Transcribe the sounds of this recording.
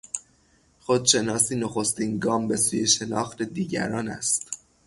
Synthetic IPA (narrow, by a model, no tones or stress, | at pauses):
xod̪ʃe̞nɒːsiːnoxo̞st̪inɡɒːmbe̞suːje̞ʃe̞nɒːxt̪e̞d̪iːɟæ̰ɾɒːnæ̰st̪